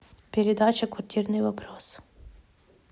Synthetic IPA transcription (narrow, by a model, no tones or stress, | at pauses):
pʲeɾʲed̪ɑt͡ʃɐkʋɐrt̪ʲirnɪjʋɐpɾɔs